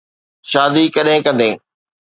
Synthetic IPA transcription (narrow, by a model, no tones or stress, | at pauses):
ʃaːd̪ikɐɗɦɪ̃kɐ̃nd̪eː